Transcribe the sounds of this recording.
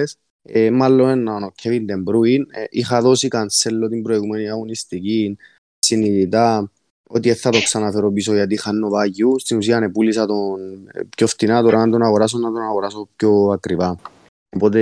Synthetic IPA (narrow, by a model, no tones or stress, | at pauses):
s | emalːonenːaonocʰːevind̪embɾuinixaðo̞sikanselːo̞t̪imbɾo̞iɣumeniɐɣonist̪ikin | siniðit̪a | ot̪ieθːɐt̪o̞ksanafeɾopisoʝat̪ixanːovaʝːust̪inusiɐnepulisɐt̪onpçoft̪inat̪oɾʔaat̪o̞naɣoɾas̬onːɐt̪onaɣoɾasopçoakɾiva | opo̞t̪e